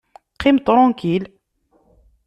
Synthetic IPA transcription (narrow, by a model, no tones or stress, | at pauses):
qʰimt̪ɾˤɑ̃kil